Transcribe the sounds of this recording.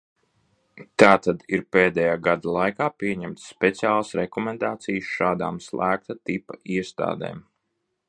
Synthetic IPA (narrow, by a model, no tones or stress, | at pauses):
t̪aːt̪ad̪iɾpeːd̪ɛjaːɡad̪alˠajkaːpiɛɲɛmt̪sːpʲɛt̪siaːlˠasɾɛkɔmɛnd̪aːt̪sijsʃaːd̪a̰ːmslˠʔæːk̚t̪at̪ipaiɛst̪a̰ːd̪ḛːm